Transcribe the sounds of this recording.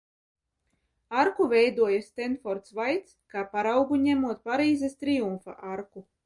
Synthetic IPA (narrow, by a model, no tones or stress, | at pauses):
aɾkuvɛjd̪uɔjast̪ɛnfɔɾt̪svajt̪skaːpaɾawɡuɲɛmuɔt̪̚paɾiːzɛst̪ɾijumfa̰ʔaɾku